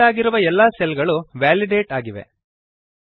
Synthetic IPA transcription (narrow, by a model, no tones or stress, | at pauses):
aːɡiɾuʋɐɛlːaːsɛlɡɐɭuʋaːliɖeːʈaːɡiʋḛ